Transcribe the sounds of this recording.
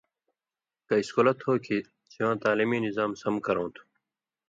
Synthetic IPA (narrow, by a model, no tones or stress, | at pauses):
kɐiskolɐt̪hoːkʰi | t͡ɕiʋãːt̪aːliːmiːnizaːmsɐmkɐɾõːt̪ʰu̥